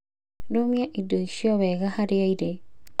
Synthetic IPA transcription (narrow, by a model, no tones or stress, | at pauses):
ɾomijaʔidoiʃijɔβɛɣahaɾeaiɾe